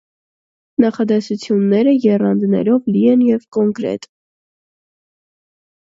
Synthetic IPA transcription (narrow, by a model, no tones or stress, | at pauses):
nɑχɑd̪ɛsut͡sʰjunːɛɾəjɛrɑnd̪nɛ̰ɾɔvliɛnjɛvkɔŋkɾɛ̰t̪